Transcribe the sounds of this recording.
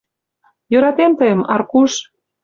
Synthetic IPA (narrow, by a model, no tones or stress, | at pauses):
jøɾɑt̪emt̪əjə̆mɑrkuʃ